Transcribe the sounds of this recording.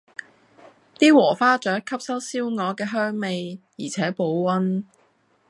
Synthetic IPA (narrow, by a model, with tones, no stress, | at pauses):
t̪iː˥wɔː˨˩faː˥t͡ʃœː˨˥kʰɐ˥p̚sɐ˥wsiː˥wŋɔː˨˧kɛː˧ɦœː˥ŋme˨jjiː˨˩t͡sʰɛː˨˥po˨˧wwɐ˥n